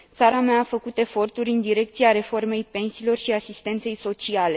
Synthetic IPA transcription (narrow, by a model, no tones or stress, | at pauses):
t̪saɾameaːfəkut̪e̞fo̞rt̪uɾʲɨnd̪iɾe̞k̚t̪sieaɾe̞fo̞rme̞jpe̞nsiːlo̞rʃiasist̪e̞nt̪se̞jso̞t͡ʃiale̞